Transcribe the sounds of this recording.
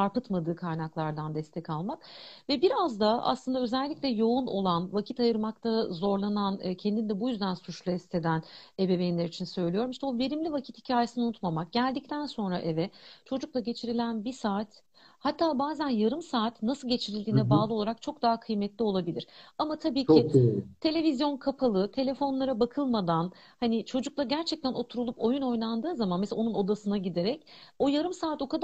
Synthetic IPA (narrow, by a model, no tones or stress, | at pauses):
aɾpɯt̪mad̪ɯːkʰaɾnaklˠaɾd̪and̪ɛst̪ʰɛcalˠmakvɛbiɾazd̪aa̰slˠɯnd̪aø̞zælʲːiclʲɛjo̞uno̞̰lˠanvacʰit̪ajɯɾmak̚t̪ʰazo̞ɾlˠanancʰɛnd̪ind̪ɛbujyzd̪ænsut͡ʃlˠuɛst̪ʰe̞d̪ænebevejinʲeɾit͡ʃʰinsø̞jlʲijo̞ɾumiʃt̪ɛove̞ɾimlʲivacʰit̪hicʰaːjesɯnaunut̪mamak̚ɟ̥ælʲd̪ic̚t̪ʰænso̞nɾa̰ʔɛvɛt͡ʃʰo̞d͡ʒuklˠaɟe̞t͡ʃʰiɾilʲænbisaːt̪ | hat̪ʰːaːbaːzænjaɾɯmsaːt̪nasɯlˠɟe̞t͡ʃʰiɾilʲd̪iːnɛbaːlˠɯo̞lˠaɾak̚t͡ʃʰo̞k̚d̪aɦakʰɯjmɛt̪lʲio̞lˠabilʲiɾ̥amat̪ʰabiːcʰɪt̪ʰe̞lʲe̞vizjo̞nkʰapʰalˠɯt̪ʰe̞lʲe̞fo̞nlˠaɾabakʰɯlˠmad̪an | hanɪt͡ʃʰo̞d͡ʒuk̚lˠaɟæɾt͡ʃʰɛc̚t̪ʰæno̞t̪ʰuɾulˠupo̞juno̞jnˠand̪ɯːzamanmeso̞nuno̞d̪asɯnaɟid̪eɾɛco̞jaɾɯmsaːt̪o̞kad̪